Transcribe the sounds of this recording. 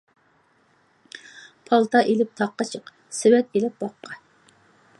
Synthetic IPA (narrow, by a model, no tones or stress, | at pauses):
pʰɑlˠt̪ʰɑʔelɪp̚t̪ʰɑqːɑt͡ʃʰəq | sɪwɛt̪elɪp̚bɑqːɑ